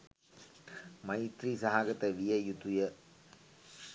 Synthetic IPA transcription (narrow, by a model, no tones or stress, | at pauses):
mɐjt̪ɾisɐɦaːɡɐt̪ːɐʋijɐjut̪ːujɐ